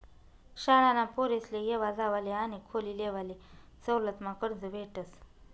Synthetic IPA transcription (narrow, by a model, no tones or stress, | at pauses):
ɕalanapoɾeslejeʋad͡zaʋaleañikʰolileʋale | t͡səwlət̪makəɽd͡zəʋeʈəs